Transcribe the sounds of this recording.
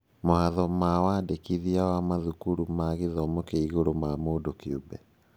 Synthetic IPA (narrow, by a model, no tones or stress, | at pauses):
mohaðɔmawaːdekiðiawamaðukuɾumaɣeðɔmokeiɣoɾomamoːdokeubɛ